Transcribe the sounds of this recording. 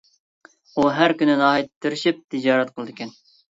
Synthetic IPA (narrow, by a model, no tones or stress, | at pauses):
uɦæɾkʲynɪnɑːɦit̪t̪ʰːɪɾɪʃip̚t̪ʰɨd͡ʒɑːɾɛt̪̚qʰəlˠɨd̪ɪkʲɛn